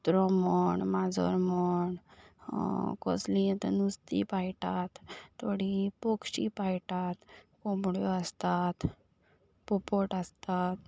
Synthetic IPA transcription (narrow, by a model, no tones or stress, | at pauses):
t̪ɾɔmɔɳmad͡zɔ̰ɾmɔɳ | kɔ̰slĩt̪nust̪ḭpajʈat̪ːoɽipokʂipajʈat̪komɽjoast̪at̪ | pɔpɔʈast̪at̪̚